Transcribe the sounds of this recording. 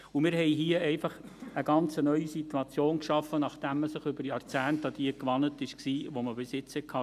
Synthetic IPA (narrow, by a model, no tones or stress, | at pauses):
umɪɾhɛjɦiəɛɪfɑχəɡ̥ɑnt͡sənœʏisit̪uɑt͡sjoːnkʃɑfːənɑχd̥æmːəsɪχʏbəɾjɑɾt͡sæːnt̪ɑd̪iəkʋɑnətɪʃksiːʋoməbɪsjɪt͡shɛkʰɑː